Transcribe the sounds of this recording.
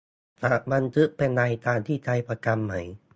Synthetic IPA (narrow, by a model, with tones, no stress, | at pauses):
t̪a˧˩ʔma˧nt̪ʰɯ˦˥ʔ̚pe˧nːa˧jt̪aː˧˩ŋt̪ʰiː˥˩t̪ʰa˧jpʰa˧ka˧mːa˦j